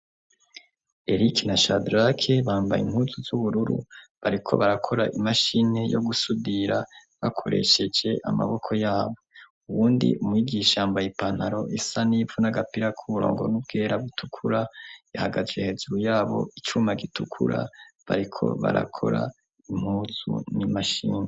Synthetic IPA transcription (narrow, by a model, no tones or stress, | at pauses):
e̞ɾiknaʃadɾakʰeβaːmba̰jḭm̥huːzuzuβuɾuɾṵβaɾikʰo̞̰βaɾakʰo̞ɾaʔimaʃine̞joɡusudiɾa | βakʰo̞̰ɾe̞̰ʃe̞d͡ʒe̞ʔama̰βo̞kʰo̞jaːβo̞ | uβuːndḭumwiːɡiʃaambajepan̥haɾo̞isanivunaɡapiɾakʰuβuɾoːŋɡo̞̰nub̚ɡe̞ːɾaβutukʰuɾajahaɡazehe̞zuɾujaːβo̞̰it͡ʃumaɡitʰukʰṵɾa̰βaɾikʰo̞̰βa̰ɾa̰kʰo̞̰ɾa̰ | im̥huːzṵnimaʃḭːne